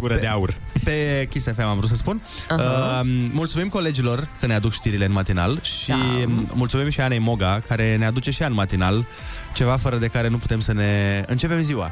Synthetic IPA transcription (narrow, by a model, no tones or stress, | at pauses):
ɡuɾəeaurpe̞kʲisefemamvɾusəspun | mult̪sumimko̞le̞d͡ʒilo̞rkənead̪ukʃt̪iɾileɨnmat̪ina̰lʃimult̪sumimʃiane̞jmo̞ɡakaɾe̞ne̞ad̪ut͡ʃe̞ʃianmat̪inal | t͡ʃe̞vafəɾəd̪e̞kaɾe̞nupu̥t̪e̞msəne̞ɨ̰nt͡ʃe̞pe̞mziwa